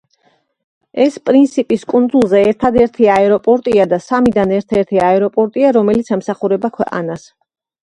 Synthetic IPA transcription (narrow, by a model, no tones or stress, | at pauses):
ɛspʼɾint̪sʰipʼiskʼund̪zulˠzɛːɾt̪ʰad̪ɛɾt̪ʰiaɛɾɔpʼɔɾt̪ʼiad̪asamid̪anɛɾt̪ʰɛɾt̪ʰiaɛɾɔpʼɔɾt̪ʼiaɾɔmɛlit̪sʰɛmsaχuɾɛbakʰwɛqʼa̰nas